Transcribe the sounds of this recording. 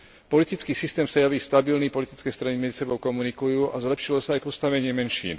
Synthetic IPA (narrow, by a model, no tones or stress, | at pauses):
pɔlit̪it͡skiːsist̪ɛːmsajaʋiːst̪abilniːpɔlit̪it͡skɛːst̪ɾanimɛd͡zisɛbɔʊkɔmunikujuːʔazlɛpʃilɔsaːjpɔst̪aʋɛɲɪɛmɛnʃḭːn